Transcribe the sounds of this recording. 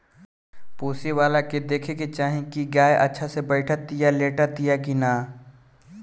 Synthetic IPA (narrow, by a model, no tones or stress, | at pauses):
puːsiwaːlaked̪eːkʰeket͡ʃaːɦĩkiɡaːjʔɐ̰tːʃʰasebɐɪʈʰat̪ijaleːʈat̪ɪjakinaː